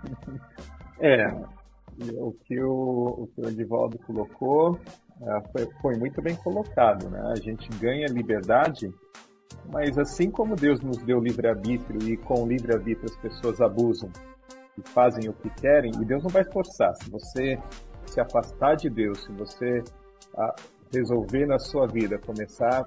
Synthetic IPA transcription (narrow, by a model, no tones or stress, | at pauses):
ɛ | ʊkʰɪʊʊ̰kɪd͡ʒɪvɔ̰ld̪ʊkoloko | ɛfojfojmũj̃t̪ʊbẽj̃kolokad̪ʊ̰nɛ̰a̰ʒẽnt͡ʃɪɡɐ̃ɲɐlibeɾd̪ad͡ʒɪ | mɐzasĩkõmʊd̪ewznʊzd̪ewlivɾɪaɾbit̪ɾiʊɪkõlivɾɪaɾbit̪ɾɪɐspesoɐzabuzɐ̃w̃ | ɪfazẽj̃ʊkɪkɛɾẽj̃ɪ̰d̪ewznɐ̃w̃vajfoɾsa̰ɾsɪvosesɪafast̪aɾd͡ʒɪd̪ewsɪvose | a̰ | hezowvenɐsuɐvid̪ɐkõmesaɾ